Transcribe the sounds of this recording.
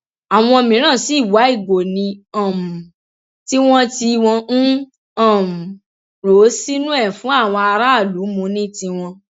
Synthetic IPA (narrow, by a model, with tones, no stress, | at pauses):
a˨w̃ɔ̃˧mĩ˨ɾ̃ã˦˨si˨˦˨wa˨˦i˦˨ɡo˨nĩ˧ã˨m˨ | ti˦w̃ɔ̃˦ti˧w̃ɔ̃˧ñ̩˦ | ã˦˨m̩˨ | ɾo˨˦si˦nũ˦ɛ˦˨fũ˨˦a˦˨w̃ɔ̃˧a˧ɾa˦˨lu˨˦mũ˧nĩ˦tĩ˧w̃ɔ̃˧